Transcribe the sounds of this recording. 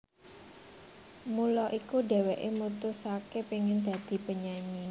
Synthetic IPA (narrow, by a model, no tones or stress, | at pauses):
mulɔʔikude̤wɛʔemut̪ʊsakepiŋɪnd̪̥a̤d̪̥i̤pəɲaɲi